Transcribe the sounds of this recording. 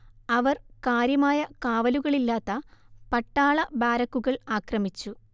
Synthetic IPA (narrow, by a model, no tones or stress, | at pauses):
ɐʋɐrkaːɾjɐmaːjɐkaːʋɐluɣɐɭilːaːt̪ːɐpɐʈːaːɭɐbaːɾɐkːuɣɐɭaːkrɐmit͡ɕːu